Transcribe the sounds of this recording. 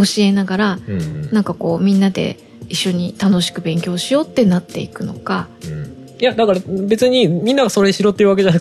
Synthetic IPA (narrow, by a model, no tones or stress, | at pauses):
oɕie̞naɡaɾanãŋkako̞ːmʲĩnːad̪e̞̰ | iɕːo̞ɲ̟it̪ano̞ɕi̥kɯ̟bẽ̞ŋkʲo̞ːɕijo̞ːt̪ːe̞nat̪ːe̞ikɯ̟no̞̰ka | jad̪akaɾabe̞t͡sɨɲ̟imʲĩnːaɡaso̞ɾeɕiɾo̞ːt̪ːeiɯ̟βake̞ʑana